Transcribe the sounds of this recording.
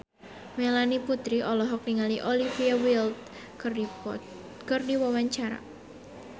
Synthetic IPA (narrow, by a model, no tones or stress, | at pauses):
melaniput̪ɾiʔɔlɔɦɔk̚niŋaliʔɔlifiawilt̪̚ | kɨrdiwawaɲt͡ʃaɾa̰